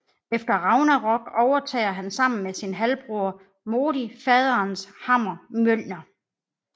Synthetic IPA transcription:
efd̥ɐʁɑ̈ʊnæʁɒ̽ɡ̥ɒʊɐt͡sʰɛ̰ɪ̰ɐɦænsɑ̈m̰n̩mesinɦælb̥ʁuɐ | mo̝ːɾifɛːð̞ˠɐnshɑ̈m̰ɐmøl̰nɐ

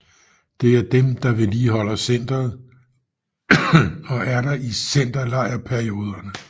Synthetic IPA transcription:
d̥e̝æɐd̥emd̥ɑ̈ʋe̝liːɦɒ̽l̰ɐsen̰d̥ɐð̩ˠ | ɒ̽ʔæɐɾ̥ɑ̈ʔisen̰d̥ɐlɑ̈ɪ̰ɐpʰæɐio̝ːð̞ˠɐnə

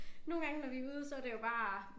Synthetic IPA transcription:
no̝ːn̩ɡɑ̈ŋənɒʋiuːð̞ˠsɒæde̝jo̝b̥ɑ̈ː

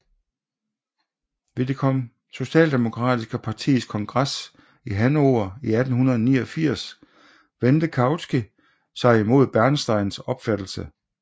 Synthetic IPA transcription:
ʋe̝d̥e̝kʰɒ̽m̰ | so̝ɕɛ̰ːld̥e̝mo̝kʰʁɑ̰̈ːd̥isɡ̥əpʰɑ̈t͡sʰḭːskʰɒ̽ŋɡ̥ʁɑs | iɦænoːɐiæd̥n̩hunɐð̞ˠɒnḭːɒfiɐ̰s | ʋend̥əkʰɑ̈ʊsɡ̥i | sɑ̈ɪimo̝ð̞̰ˠb̥æɐnsd̥ɑ̈ɪ̰nsɒ̽b̥fæd̥l̩sə

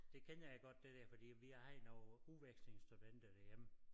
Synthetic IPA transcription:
d̥e̝kʰenjaeɡ̥ɒ̽d̥̚ːe̝d̥æɐfɒ̽d̥ḭːʋiæhæɪnɒʊuʋeɡ̥sle̝ŋsd̥ud̥en̰d̥əd̥ejem

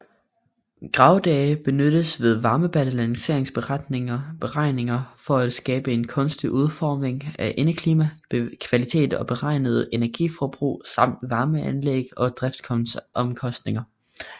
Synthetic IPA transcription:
ɡ̥ʁɑ̈ʊd̥ɛːɪb̥e̝nøɾ̥əsʋe̝ð̞ˠʋɑ̈ːməb̥æləlæŋse̝ɐ̰eŋsb̥e̝ʁɑd̥nb̥e̝ʁɑ̈ɪne̝ŋɐfɒ̽æd̥sɡ̥ɛːb̥əe̝nkʰɔ̽nsd̥iʔuð̞ˠfɒːme̝ŋæʔe̝nəkʰliːmækʰʋælit͡sʰe̝̰ːd̥ɒ̽b̥e̝ʁɑ̈ɪ̰nəð̞̩ˠe̝næɐɡ̥ḭfɒb̥ʁṵːsɑ̈m̰d̥ʋɑ̈ːməænleɡ̥ɒ̽d̥ʁɛfd̥kʰɔ̽nʔɒ̽mkʰɒ̽sd̥ne̝ŋɐ

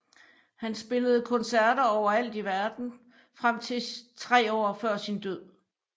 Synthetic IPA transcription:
hænsb̥e̝ləð̞̩ˠkʰɒ̽nsæɐɾ̥ɐɒʊɐæl̰d̥iʋæɐd̥n̩ | fʁam̰t͡sʰe̝t͡sʰʁɛ̰ːɒ̰ːfɶɐ̰sind̥øð̰ˠ

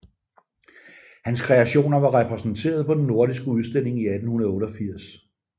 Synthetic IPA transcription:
hænskʰʁɛæɕo̝̰ːnɐʋɑ̈ʁɛpʰʁɛsn̩t͡sʰe̝̰ːɐð̞ˠpʰɒ̽d̥enːo̝ɐɾisɡ̥əuðˠsd̥e̝l̰e̝ŋiæd̥n̩unɐðˠɔ̽ːɾɒ̽fiɐ̰s

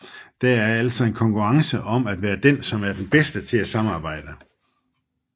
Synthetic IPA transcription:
d̥ææɐæl̰sɒ̽e̝nkʰɒ̽ŋkʰuʁɑ̈ŋsəʔɒ̽mæd̥ʋæːɐd̥ensɒ̽mæɐd̥enb̥esd̥ət͡sʰe̝æsɑ̈mɑ̈ːb̥ɑ̈ɪ̰d̥ə

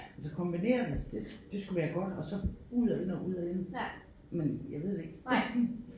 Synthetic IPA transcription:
ælsəkʰɒ̽mb̥ine̝̰ːɐd̥ed̥e̝d̥e̝sɡ̥uʋæːɐɡ̥ɒ̽d̥ɒ̽sɒ̽uð̰ˠæenɒʔuð̞̰ˠæe̝n | menjäɪʋe̝ð̞̰ˠd̥eeɡ̥

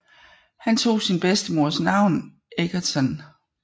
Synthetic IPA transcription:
hænt͡sʰo̝̰ːsinb̥esd̥əmo̝ɐ̰snɑ̈ʊ̰n | ʔeɡ̥ɐt͡sʰɒn

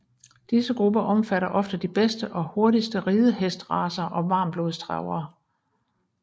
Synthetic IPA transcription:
d̥isəɡ̥ʁub̥ɐʔɒ̽mfæɾɐʔɒ̽fd̥əd̥ib̥esd̥əʔɒ̽ho̝ɐdisd̥əʁiːð̞ˠəɦesd̥ʁɑ̰̈ːsɐʔɒ̽ʋɑ̈ːmb̥lo̝ːðˠsd̥ʁɑ̰̈ʊɐː

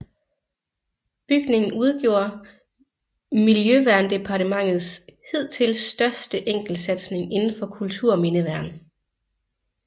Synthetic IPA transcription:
b̥yɡ̥ne̝ŋn̩uð̞ˠɡ̥jo̝ːɐ | miljøʋæɐnd̥e̝pʰɑ̈ɾʰəmɑ̈ŋ̰ð̩ˠsheð̞̰ˠt͡sʰe̝lsd̥ɶɐsd̥əʔeŋ̰ɡ̥l̩̥sæd̥sne̝ŋe̝nn̩fɒ̽kʰult͡sʰuɐ̰ɒme̝nəʋæɐn

